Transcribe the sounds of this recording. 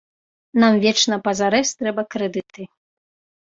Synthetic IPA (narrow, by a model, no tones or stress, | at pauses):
namvʲɛt͡ʂnɐpɐzaɾɛsʲt̪ɾɛbɐkɾɛd̪ɨt̪ɨ